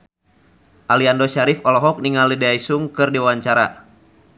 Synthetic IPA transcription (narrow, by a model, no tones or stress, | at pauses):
ʔaliandoʃaɾifɔlɔɦɔk̚niŋalideajsuŋkɨrdiwaɲt͡ʃaɾa̰